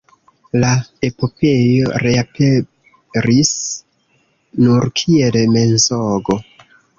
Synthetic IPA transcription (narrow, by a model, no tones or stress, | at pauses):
lae̞po̞pe̞jo̞ɾeape | ɾis | nuɾkʰielme̞nzoɡo̞